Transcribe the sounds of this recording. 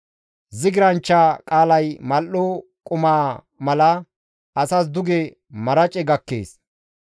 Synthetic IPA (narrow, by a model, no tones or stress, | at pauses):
zɪɡɪɾɐnt͡ʃːaːkʼaːlɐjmɐlːoː | kʼʊmaː | mɐlɐ | ɐsas̬d̪ʊɡɛ | mɐɾɐt͡ʃʼɛɡɐkːḛːs